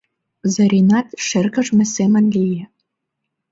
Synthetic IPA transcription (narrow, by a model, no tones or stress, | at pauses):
zɤ̆ɾʲinɑt̪ʃerkə̆ʒmɘ̆semə̆nlije